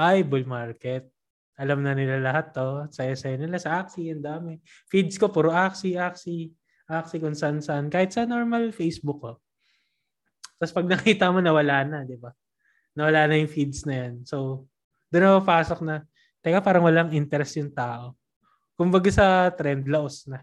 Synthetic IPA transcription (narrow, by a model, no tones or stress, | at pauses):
ʔajbʊlmaɹkɛt̪̚ | ʔɐlamnɐnɪlalɐɦat̪ːo̞sɐjasɐjɐnɪlasɐʔak̚siɐnd̪aːmɛ | fid̪sko̞puɾoʔaksiʔaksi | ʔaksikʊnsɐʔɐnsɐʔɐnkaːhɪt̪sɐnoɹmɐlfejsbʊkːo | t̪ɐspɐɡ̚nɐkiːt̪ɐmo̞nɐwɐlaːnɐd̪ɪba | nɐwɐlaːnɐjʊŋfid̪snɐjanso̞w | d̪ʊnːɐpɐpaːsok̚nɐ | t̪ɐlɡapaːɾɐŋwɐlaŋʔint̪ɛɾɛsjʊŋt̪aːʔo̞ | kʊmbɐɡasɐt̪ɾɛnd̪lɐʔosnɐ